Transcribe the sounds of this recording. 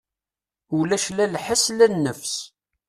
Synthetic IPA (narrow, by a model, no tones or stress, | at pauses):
ulæʃlælħəslænːəfs